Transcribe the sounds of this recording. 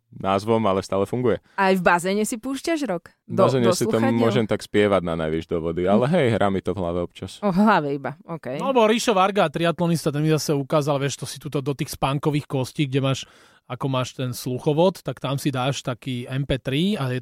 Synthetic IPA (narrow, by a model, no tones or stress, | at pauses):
naːzʋɔmalɛst̪aːlɛfuŋɡujɛ | ajvbazɛːɲɛsipuːʃcaʒɾɔk | bazɛːɲɛsiɔːʊɔʒɛmt̪akspɪɛʋaɟnana̰jʋiʒd̪ɔʋɔd̪ialɛɦɛjɦɾʔaːmit̪ɔvɦla̰ʋɛɔpt͡ʃasɦlaʋɛibaɔkɛjnɔalɛbɔɾiʃɔʋaɾɡaːt̪ɾiat̪lɔnist̪at̪ɛnmizasɛukaːzalʋɛʃt̪ɔsi̥t̪uːt̪ɔd̪ɔt̪iːxspaːŋkɔʋiːxkɔsciːɡɟɛmaːʃ | akɔmaːʃt̪ɛnsluxɔʋɔt̪ːakt̪amsid̪aːʃt̪akiːɛmpɛːt̪ɾiajɛ